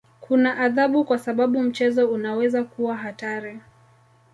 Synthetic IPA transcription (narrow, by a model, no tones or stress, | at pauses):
kʰunaʔaðaɓukwasaɓaɓum̩t͡ʃɛzɔunawɛzakuwaɦataɾi